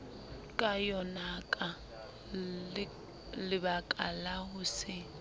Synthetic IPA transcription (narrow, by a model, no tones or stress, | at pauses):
kʼajɔnakʼa | lɪβakʼa̰lahʊsɪ